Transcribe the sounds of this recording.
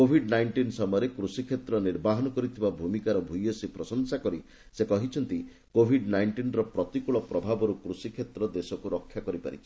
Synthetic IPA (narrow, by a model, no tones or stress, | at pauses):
kobʱiɖnajɳʈinsɔmɔjɾekɾusikʰet̪ɾɔniɾbaɦɔnɔkɔɾit̪ʰibabʱumikaɾɔbʱujɔsipɾɔsɔŋsakɔɾi | sekɔɦit͡ʃʰɔnt̪i | kobʱiɖnajɳʈinɾɔpɾɔt̪ikuɭɔpɾɔbʱabɔɾukɾusikʰet̪ɾɔd̪esɔkuɾɔkʰːjakɔɾipa̰ɾḭt͡ʃʰi̥